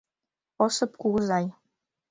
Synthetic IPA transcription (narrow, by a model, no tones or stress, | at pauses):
osɤ̆p̚kuʁzɑj